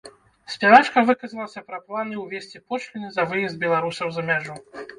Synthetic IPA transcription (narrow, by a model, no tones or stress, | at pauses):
sʲpʲavat͡ʂkɐvɨkɐzɐlˠɐsʲɐpɾɐplˠanɨwvʲesʲt͡sʲipɔt͡ʂlʲinʲzɐvɨjɛsd̪̚bʲɛlˠaɾusɐwzɐmʲaʐu